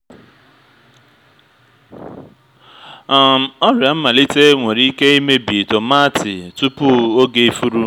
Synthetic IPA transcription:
ɔ˦ɾja˨m̩˦ma˨li˦te˦ŋʷe˨ɾi˦ke˦i˦me˦bi˨to˨ma˦tɪ˨tu˦pu˦o˦ɡe˦fu˦ɾu˦

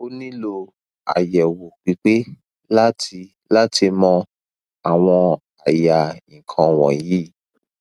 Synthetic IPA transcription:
o˧nĩ˦lo˧ | a̰˨jɛ˨wo˨k͡pi˨˦k͡pe˦ | la˦ti˧ | la˦tʰi˧mɔ̃˧ | a˨w̃ɔ̃˧ | a˨ja˨ĩ˨kʰã˧w̃ɔ̰̃˨ji˨˦

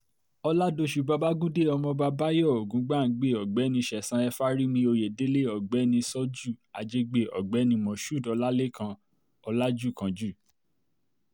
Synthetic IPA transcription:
ɔ˧la˦do˧ʃu˨ba˧ba˦ɡũ˦de˦˨ɔ˧mɔ̃˧ba˧ba˦jɔ˦˨o˨ɡũ˨˦ɡ͡ba˦˨˦ɡ͡be˦˨ɔ˨ɡ͡bɛ˨˦nĩ˧ʃɛ˨sã˨˧˦ɛ˧fa˦ɾi˦mĩ˧o˧je˨de˨˦le˦ɔ˨ɡ͡bɛ˨˦nĩ˧sɔ˦d͡ʒu˦˨a̰˨d͡ʒe˦ɡ͡be˦˨ɔ̰˨ɡ͡bɛ˨˦nĩ˧mɔ̃˨ʃu˦˨dɔ˨˧la˦le˦kã˧ | ɔ˧la˦d͡ʒu˦˨kã˧˦d͡ʒu˦˨

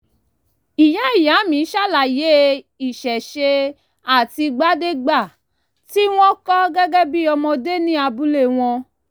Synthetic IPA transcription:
i˨jã˨˦i˦˨ja˨˦mĩ˨˦ʃa˦˨la˨je˨˦ | i˨ʃɛ˨ʃe˧ | a˦˨ti˧ɡ͡ba˦de˦ɡ͡ba˦˨ | ti˦w̃ɔ̃˦kɔ˦ɡɛ˦ɡɛ˦bi˦ɔ˧mɔ̃˧de˦nĩ˦a˧bu˦le˦˨w̃ɔ̃˧

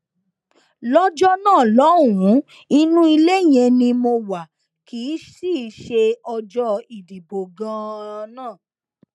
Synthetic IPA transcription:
lɔ˦d͡ʒɔ˦nãː˦˨lɔ˨˦wũ˨˦ | i˧nũ˦i˧le˦˨j̃ɛ̃˧nĩ˧mo˧wa˨ | kʰiː˨˦ʃi˦˨ʃe˧ɔ˧d͡ʒɔ˦i˨di˨bo˨ɡã˦nãː˦˨

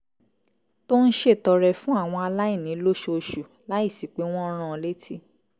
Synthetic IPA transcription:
to˦n̩˦ʃe˦˨tɔ˧ɾɛ˧˨fũ˦a˦˨w̃ɔ̃˧a˧la˦i˦˨nĩ˨˦lo˦ʃo˧ʃu˨ | la˦i˦˨si˨k͡pe˨˦w̃ɔ̃˦˧ɾ̃ã˦˧le˦tʰi˦

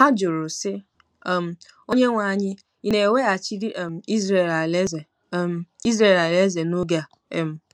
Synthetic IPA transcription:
a˦d͡ʒʊ˨ɾʊ˨sɪ˦ | m̩˨ | o˦ɲe˦ŋʷa˨ɲɪ˦ | i˦ne˨we˦a˨t͡ʃi˦ɾi˦ʔm̩˨i˦ze˨la˨le˦ze˨˦ | m˨i˦zɾe˦˨la˨le˦ze˨no˦ɡa˨ | m̩˨

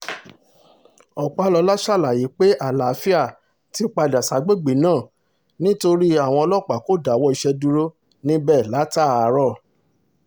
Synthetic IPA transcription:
ɔ˨k͡pa˨˦lɔ˧la˦ʃa˦˨la˨ji˨˦k͡pe˦a˦˨la˨˦fi˦a˦˨ | ti˧˦k͡pa˧da˨sa˨˦ɡ͡be˦ɡ͡be˨˦nãː˦˨ | nĩ˦to˧ɾi˦a˦˨w̃ɔ̃˧ɔ˧lɔ˦˨k͡pa˨ko˦˨da˨wɔ˦i˧ʃɛ˧du˧ɾo˦ | nĩ˦bɛ˦˨la˨˦ta˦˨˦ɾɔ˦˨

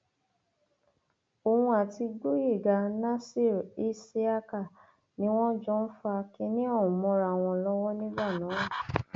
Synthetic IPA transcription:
o˨hũ˧a˨ti˧ɡ͡bo˦je˦˨ɡa˧nã˦si˦˨ɾe˦si˦a˦ka˦˨ | nĩ˦w̃ɔ̃˦d͡ʒɔ̃˦n̩˦fa˧kɛ˧nĩ˦ɔ˦˨ũ˨mɔ̃˧ɾa˧˨w̃ɔ̃˧lɔ˦wɔ˦nĩ˦ba˦˨nã˨˦˨

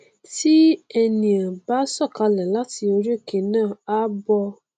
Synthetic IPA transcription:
ti˦ɛ˧nĩ˨ã˨ba˦sɔ˦˨ka˨˧lɛ˨la˦ti˧o˧ɾe˦˨ke˧˨nãː˦˨a˦bɔ˧

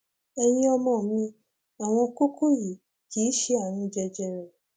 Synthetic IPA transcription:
ɛ˧j̃ĩ˦ɔ˧mɔ̃˦˨˦mĩ˧ | a˨w̃ɔ̃˧ko˦kʰo˦ji˨ | ki˨˦ʃe˦a˦˨ñũ˧d͡ʒɛ˧d͡ʒɛ˧ɾɛ˨

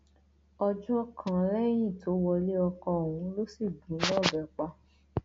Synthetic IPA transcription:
ɔ˧d͡ʒɔ˦kʰã˨lɛ˦j̃ĩ˦˨to˨˦wɔ˧le˦ɔ˧kɔ̃˧o˨wũ˨˦lo˦si˦˨dũ˨˦lɔ̃˦˨bɛ˨k͡pa˧

